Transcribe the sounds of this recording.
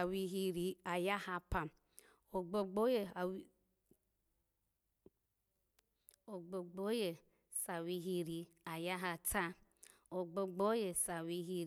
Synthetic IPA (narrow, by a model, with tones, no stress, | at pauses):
a˨wi˦ɦi˦ɾi˨a˨ja˦ha˦pa˨m | o˨ɡ͡bo˨ɡ͡bo˦je˨˦ | o˨ɡ͡bo˨ɡ͡bo˦je˨ | sa˨wi˦ɦi˦ɾi˨a˨ja˦ɦa˧ta˦ | o˨ɡ͡bo˨ɡ͡bo˦je˨sa˨wi˦ɦi˦